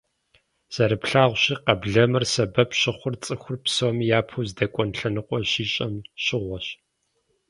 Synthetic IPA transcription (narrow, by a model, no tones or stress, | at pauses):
z̥ɐɾɨpɬaːʁʷɕiːqɐbɮɐmɨrsɐbɐpʰɕɪχʷʊrt͡sʼɨxʷʊrpsowmjaːpʰuːzdɐkʷʼɔnɬɐnɨqʷʼɔɕiːɕʼɐmɕɪʁʷɔɕ